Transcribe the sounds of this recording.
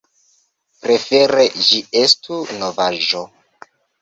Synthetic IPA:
pɾe̞fe̞ɾed͡ʒiestunovaʒo

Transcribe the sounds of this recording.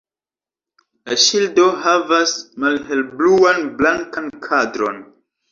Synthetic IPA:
laʃildo̞ɦavasmalɦe̞lbluanblaŋkankʰadɾo̞n

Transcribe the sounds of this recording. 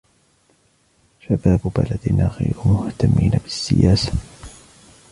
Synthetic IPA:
ʃabaːbbalad̪naɣḭjɾʊmʊht̪amːiːnabɪsːɪjaːsḁ

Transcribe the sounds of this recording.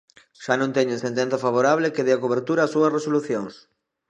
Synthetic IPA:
ʃanõŋt̪ɛɲʊẽnsẽnt̪ẽnθɐfaβ̞oɾaβlekeðeakoβ̞eɾt̪uɾɐaːsːuɐsresoluθjoŋs

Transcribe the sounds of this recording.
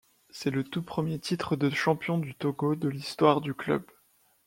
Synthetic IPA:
sɛlət̪upχəmjet̪it̪χəd̪əʃɑ̃pjɔ̃d̪yt̪oɡod̪əlist̪waʁd̪yklœ̰b

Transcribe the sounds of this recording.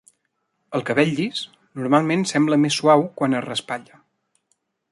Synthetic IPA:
əlˠkəβɛʎːis | nuɾmalˠmensɛmbləmesːuawkwanərəspaʎə

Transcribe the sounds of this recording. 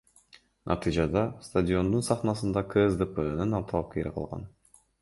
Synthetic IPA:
nʔa̰t̪ɨjd͡ʒɑd̪ɑst̪adʲɪo̞nd̪unsɑχnɑsɯnd̪ɑkʰezd̪əpenɯnɑlˠt̪ʰɑlˠɑp̚kʰeɾḭqʰɑ̰lˠʁɑ̰n

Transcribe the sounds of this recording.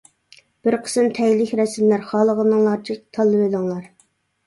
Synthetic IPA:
b̥ɪɾqʰə̥sɨnt̪ʰɛjlɪkʲɾɛsɪmlæɾχɑlˠəʁənɨŋlˠɑɾt͡ʃʰit̪ʰɑlˠːɨvelɪŋlˠɑɾ

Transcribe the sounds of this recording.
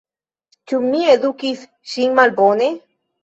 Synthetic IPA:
t͡ʃumːieðukis | ʃiŋmalbone

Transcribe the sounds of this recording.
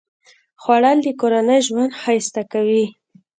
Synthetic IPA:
xwaɽald̪əkoɾanəjʒwand̪xajst̪akawi

